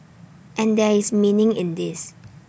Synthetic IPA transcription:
ʔɛ̃ndɛismĩnɪ̃ŋɪ̰̃ndis

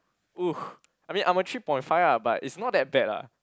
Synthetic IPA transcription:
uh | ʔaɪjmĩnʔãmətʰɹipɔ̃ɪ̃ntfaɪvabatḭtsnɔt̚dɛt̚bɛta̰

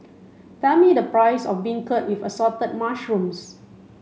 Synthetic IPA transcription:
tɛmidəpɹaɪsɔ̰fbiɪ̃ŋkət̚wifəsɔtət̚maʃɹũms

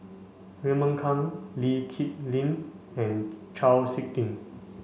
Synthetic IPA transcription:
ɹɛmə̃ŋkʰãŋlikʰit̚lĩn | ɛ̃nt͡ʃʰawsik̚tĩn

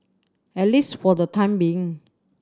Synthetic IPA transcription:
ɛt̚listfɔdətʰãɪj̃mbiĩŋ

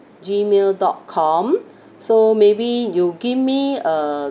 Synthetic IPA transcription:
d͡ʒimeldɔt̚kʰɔ̃m | somebijuɡivmiə

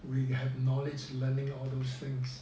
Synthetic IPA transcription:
wihɛvnɔlɪd͡ʒlɜːnɪ̃ŋɔld̪osθɪ̃ŋs

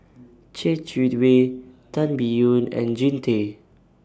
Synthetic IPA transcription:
t͡ʃɛt͡ʃitwetãnbijũnɛ̰̃nd͡ʒĩntʰe

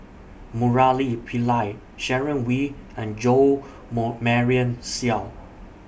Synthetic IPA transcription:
muɹalipʰilaɪt̚ | ʃɛɹə̃nwiɛ̃nd͡ʒo | mɔmɛɹiə̃nsial

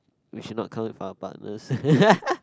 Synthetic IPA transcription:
wiʃud̚ⁿnɔt̚kʰãʊɪ̃nfaʊəba̰ʔnə̰s

